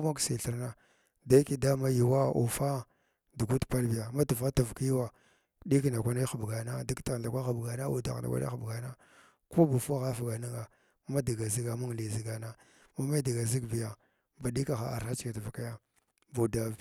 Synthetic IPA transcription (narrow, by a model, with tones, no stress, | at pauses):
ma˦ksi˨ɬi˨ɾna˦ | da˦i˦ki˦da˦ma˦ji˨wa˦ṵ˨fa˦ | du˨ɡu˦tpa˦lbi˨ja˨ma˦tu˨va˦ta˨vki˦wa˨ | ɗi˦kna˨kʷa˦na˦xa˨bɡa˨na˦di˦ɡta˨ɣɬa˨kʷa˦xa˨bɡa˨na˦ṵ˨da̰˨ɣna̰˨kʷa̰˦na̰˦xa˨bɡa˨na˦ | ko˦bu˨fu˦a˦ɣa˦fa˨ɡa˨na˦ŋɡa˨ | ma˦da˨ɡa˨zi˦ɡa˨mu˦ŋ˨li˨zi˦ɡa˨na˦ | ma˦ma˦da˨ɡa˨zi˦ɡbi˨ja˨ | ba˨ɗi˦ka˨xa˨a̰˨ɾxa˦t͡ʃi̥˦˨ka˨ti˨va˨ka˦ja˦ | bu˨da˨